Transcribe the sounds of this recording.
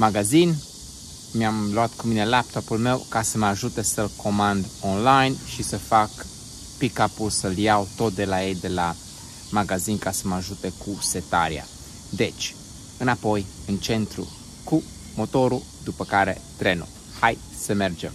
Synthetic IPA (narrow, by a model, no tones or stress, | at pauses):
maɡazin | mjamluat̪kumine̞lap̚t̪o̞pulme̞wkasəməaʒut̪e̞səlko̞mand̪onlajnʃisəfak | pikapulsəljawt̪o̞t̪̚d̪e̞laje̞jd̪e̞la | maɡazinkasəmaʒut̪e̞kuse̞t̪a̰ɾḭa̰ | d̪e̞t͡ʃʲ | ɨnapo̞jɨnt͡ʃe̞nt̪ɾṵ | ku | mo̞t̪o̞ɾu | d̪upəkaɾe̞̰t̪ɾe̞nṵ | haj | səme̞rd͡ʒem